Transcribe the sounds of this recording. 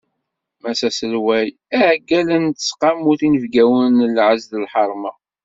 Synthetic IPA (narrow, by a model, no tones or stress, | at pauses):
mæsæsəlwæj | æʕɡːælənt̪ə̥sqɑmuθinəvɡæwənlʕəzðəlħɑɾˤmɑ